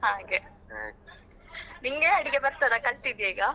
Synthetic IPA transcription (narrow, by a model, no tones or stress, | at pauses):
haːɡe | ɦa̰ːɡ | niŋɡeɐɽiɡebɐɾt̪aɾɐkɐɭt̪id̪jeːɡa